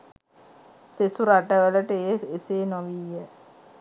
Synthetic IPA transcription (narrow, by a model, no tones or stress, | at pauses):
sesuɾaʈəʋələʈəeeseːnoʋiːə